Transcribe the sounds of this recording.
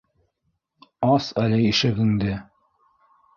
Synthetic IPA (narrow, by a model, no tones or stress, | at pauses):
ɑsælɘiʃɘɡɘ̆ŋd̪ɘ